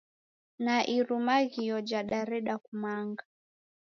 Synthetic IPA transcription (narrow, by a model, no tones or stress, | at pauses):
naʔiɾumaɣijɔd͡ʒaɗaɾɛɗakumaŋɡa